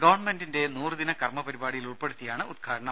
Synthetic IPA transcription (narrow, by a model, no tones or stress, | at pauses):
ɡɐʋɐrɳmendinde̞nuːrɨd̪inɐkɐrmɐpɐɾibaːɽijiluɭpe̞ɽut̪ːijaːɳɨud̪̚ɡʰaːɽɐɳɐ